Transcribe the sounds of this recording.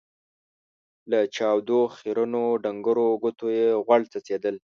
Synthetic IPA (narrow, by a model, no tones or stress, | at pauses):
lat͡ʃɑwd̪oxiɾənoɖaŋɡəɾoɡʊt̪ojeɣwaɽt͡sat͡sed̪əl